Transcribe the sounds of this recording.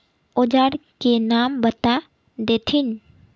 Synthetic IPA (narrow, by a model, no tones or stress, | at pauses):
oːd͡ʒaːɾkenaːmbət̪a | d̪eːt̪ʰin